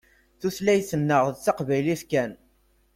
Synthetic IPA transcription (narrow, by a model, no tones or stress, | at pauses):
θuθlæjθənːəʁðt͡sːɑqvæjliθkæn